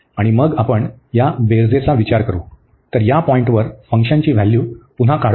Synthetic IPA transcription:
aɽ̃iməɡapəɳjabeɾd͡zet͡saʋit͡ɕaɾkəɾṵː | t̪əɾjapɔiɳʈʋəɾfəŋkʂəɲt͡ɕiːʋ̤æljuːpunɦakaɽ

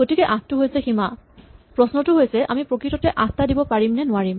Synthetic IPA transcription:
ɡotikɛʔaktʊɦojsɛximapɹɔsnɔtʊɦojsɛʔa̰mipɹokɹitɔtɛʔaktadibɔpaɹimnɛnʊaɹim

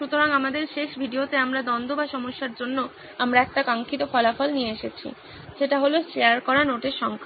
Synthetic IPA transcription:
ʃut̪oɾaŋamad̪eɾʃeʃbʱiɖiot̪eamɾad̪ɔnd̪ʱobaʃɔmoʃːaɾd͡ʑonːo | amɾaɛk̚ʈakaŋkʰit̪ofɔlafɔlnieeʃet͡ɕʰḭ | ʃeʈaɦoloʃeaɾkɔɾanoʈeʃɔŋkʰa

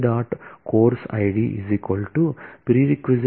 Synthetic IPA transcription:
ɖaːʈkoːɾsɐ̰jɖiʔḭzikʋɐlʈupɾiɾikʋuz

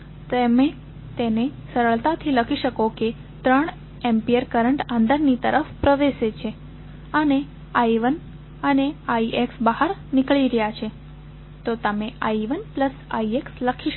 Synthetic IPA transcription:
t̪emẽ | t̪enesəɾəɭt̪at̪ʰiləkʰiʃəkoke | t̪ɾəɳ | empijəɾkəɾəɳʈãnd̪əɾnit̪əɾəfpɾəʋeʃet͡ʃʰe | əne | aiʋən | əneaiʔeksbəɦaɾnɪkɭiɾəjat͡ʃʰe | t̪ot̪əmeaiʋənpləsa̰ieksləkʰiʃ

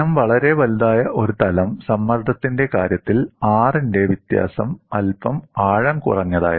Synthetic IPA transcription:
ɐmʋɐɭɐɾe̞ʋɐld̪aːjɐʔo̞ɾut̪ɐlɐmsɐmːɐrd̪ʱɐt̪ːinde̞kaːɾjɐt̪ːilaːrinde̞ʋit̪ja̰ːsɐmɐlbɐmaːɻɐmkṵrɐɲːɐða̰ːjɐ

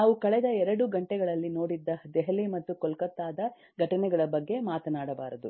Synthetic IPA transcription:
naːʋukɐɭɛd̪ɐɛɾɐɽuɡɐɳʈɛɡɐɭɐlːino̞ːɽid̪ːɐd̪ɛɦɐlimɐt̪ːukɔlkɐt̪ːaːd̪ɐ | ɡʱɐʈɐnɛɡɐɭɐbɐɡːe̞maːt̪ɐnaːɽɐba̰ːɾɐd̪u

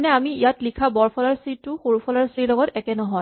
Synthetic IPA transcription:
nɛamiijatlikʰabɔɹpʰɔlaɹsɹitʊxoɹupʰɔlaɹsilɔɡɔtɛkɛnɔɦɔj

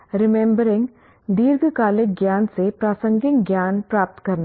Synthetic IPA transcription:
ɾɪmẽːmbəɾɪ̃ŋɡ | d̪iːɾɡʱkaːlɪk̚ɡjaːnsepɾaːsə̃ŋɡɪ̃ŋɡjaːnpɾaːp̚t̪kɐɾna

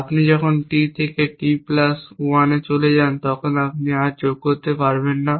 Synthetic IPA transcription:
apnid͡ʑɔkʰonʈit̪ʰekeʈiplasuanet͡ʃoled͡ʑant̪ɔkʰonapniaɾd͡ʑoɡ̚koɾt̪epaɾbenːa

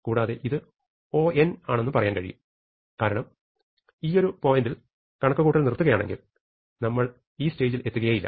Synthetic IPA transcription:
kuːɽaːðe̞ʔiðɨ | o̞ːʔenaːɳe̞nːɨpɐrɐjaːnkɐɻḭjṵm | kaːɾɐɳɐm | iːo̞ɾupoːjindil | kɐɳɐkːɐɣuːʈːɐlnirt̪ːuɣɐjaːɳeŋɡḭl | nɐmːɐɭ | iːste̞ːd͡ʑilet̪ːuɣɐjɐjilːɐ̰

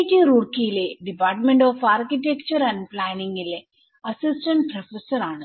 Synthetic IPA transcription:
ʈːiɾuːrkijileɖipaːrʈmeɳɖoːfaːrkitekt͡ɕɐɾɐnɖplaːniŋɡile | ɐsisʈɐɳprɐfesɐɾaːɳɨ

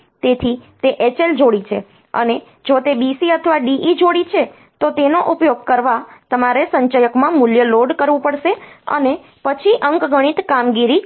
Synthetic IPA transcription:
t̪et̪ʰit̪eʔet͡ʃeld͡ʒoɽit͡ʃʰe | ə̰ne | d͡ʒot̪ebisiət̪ʰəʋaɖiʔid͡ʒoɽit͡ʃʰe | t̪ot̪enoʔupjoɡ̚kəɾʋat̪əmaɾesəɲt͡ʃajəkmãmuljəloɖkəɾʋũpəɽʃeə̰ne | pət͡ʃʰiʔəŋkɡʱəɽ̃it̪kamɡiɾi

